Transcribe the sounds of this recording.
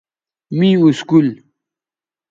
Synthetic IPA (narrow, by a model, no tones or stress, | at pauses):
mĩuskul